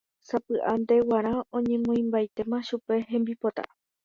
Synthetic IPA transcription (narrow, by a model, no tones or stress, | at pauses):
sapɨʔand̪e̞waɾ̃ãõ̞ɲẽ̞mõĩmbajt̪e̞mãʃupe̞ɦẽ̞mbipot̪a̰